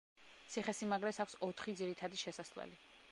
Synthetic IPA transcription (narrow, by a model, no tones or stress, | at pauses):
t̪sʰiχɛsimaɡɾɛsakʷʰsɔt̪ʰχid̪ziɾit̪ʰad̪iʃɛsaslɛ̰li